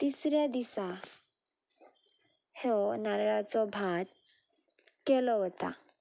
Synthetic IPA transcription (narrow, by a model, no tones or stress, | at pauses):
t̪isɾjad̪isa | hɛnaɾɭat͡sɔbʱãd̪ | kɛlɔɦɔt̪a̰